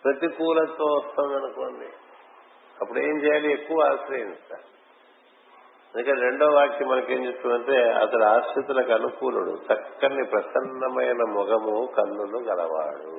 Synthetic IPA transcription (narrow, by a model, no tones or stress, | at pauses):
pɾɐt̪ikuːlɐt̪oːʋɐst̪anɡ̪ɐnukoːnɖi | ɐpːuɽue̞ːmt͡ʃɛːjaːliekːuʋɐaːsɾɐinst̪a̰ː | ɐnd̪ukɐnɾe̞ɳɖoːʋaːɾkimɐnɐke̞ːmd͡ʒest̪uːnɐɳʈeːɐ̰t̪ɐluaːʃɐt̪ulɐkɐnukuːluɽṵt͡ʃɐkːɐnːipɾɐsɐnːɐmɐjnɐmɔɡɐmukɐnd̪uluɡɐlɐʋa̰ːɽṵ